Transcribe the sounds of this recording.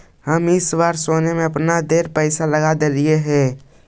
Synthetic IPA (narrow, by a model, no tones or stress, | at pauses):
həmɪswaːɾsoːnemẽɐpnad̪eːɾpɛːɪsaləɡad̪eːɾieɦɛ̃ː